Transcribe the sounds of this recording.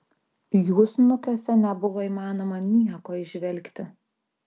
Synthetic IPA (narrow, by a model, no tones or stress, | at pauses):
juːsnʊkʲoːsʲɛnʲɛbʊʋɔːiːmɑːnoːmɐnʲiɛkoːɪʒʲʋʲɛlʲkt̪ʲɪ